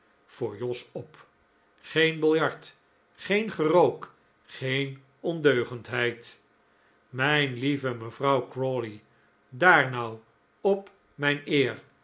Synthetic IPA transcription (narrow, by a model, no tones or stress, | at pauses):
v̥ʊːɹjɔsɔp | χejnbɪlˠjɑɹt | χejnχərowk | χejn | ɔndøɥχəntɦɛjt | mɛjnlivəməvrɑwkrɔli | daːɹnɑw | ɔp | mɛjnɪːr